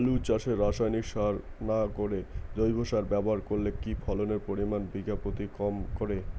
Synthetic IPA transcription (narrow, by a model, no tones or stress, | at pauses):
lut͡ɕaʃeɾaʃajnikʃaɾ | nakoɾed͡ʑojbʱoʃaɾbɛboɦaɾkoɾlekipʰɔloneɾpoɾimanbiɡapot̪ikɔmkoɾe